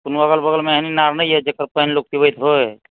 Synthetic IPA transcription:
punbəɡəlbəɡəlmeəɦninaɾnəiɦɛd͡ʒekəɾpəɦənlok̚t̪ibəjt̪ɦoe

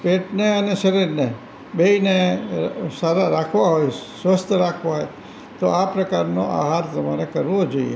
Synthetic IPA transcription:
peʈneəneʃəɾiɾne | beine | saɾaɾakʰʋaɦojsʋəst̪ʰəɾakʰʋaɦoj | t̪oapɾəkaɾnoʔa̰ɦaɾt̪əmaɾekəɾʋod͡ʒoḭjḛ

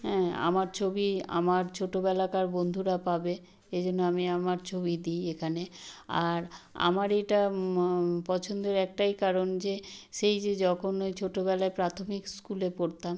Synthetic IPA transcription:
ɦɛ̃a̰maɾt͡ɕʰobia̰maɾt͡ɕʰoʈobɛlakaɾbond̪ʱuɾapabe | ed͡ʑonːoamiamaɾt͡ɕʰobid̪iekʰanea̰ɾa̰maɾeʈa | pɔt͡ɕʰond̪eɾɛk̚ʈajkaɾond͡ʑeʃejd͡ʑed͡ʑɔkʰonojt͡ɕʰoʈobɛlaepɾat̪ʰomikskulepoɾt̪am

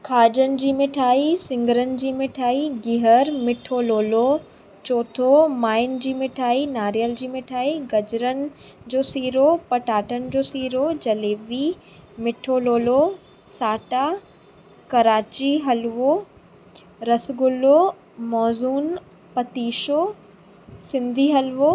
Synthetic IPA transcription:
kʰaːd͡ʑənɪ̆d͡ʑiːmɪʈʰaːisɪ̃ŋɡəɾənɪ̆d͡ʑiːmɪʈʰaːiɡɪɦəɾmɪʈʰoːloːlo | t͡ɕɔːt̪ʰomaːɪnd͡ʑiːmɪʈʰaːinaːɾijəld͡ʑiːmɪʈʰaːiɡɐd͡ʑɾənɪ̆ | d͡ʑoːsiːɾopɐʈaːʈənɪ̆d͡ʑoːsiːɾod͡ʑɐleːʋi | mɪʈʰoːloːlo | saːʈa | kɐɾaːt͡ɕiɦɐlʋo | ɾɐsɡʊlo | mɔːzuːn | pɐt̪iːʃo | sɪ̃nd̪ʱiɦɐlʋo

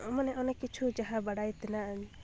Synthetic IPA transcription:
ɔmanɛʔɔnɛkit͡ʃʰud͡ʒaɦabaɽajt̪ɛnaaɲi

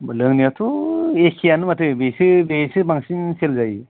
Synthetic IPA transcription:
lɯŋniatʰuekʰijanɯmatʰɯbesɯbesɯbaŋsinselzaj

